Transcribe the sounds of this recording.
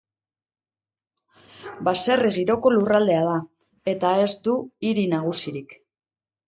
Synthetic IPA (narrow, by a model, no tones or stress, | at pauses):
base̞riɣiɾo̞ko̞lurald̪e̞að̞a | e̞t̪ae̞zd̪uiɾinaɣ̞usiɾik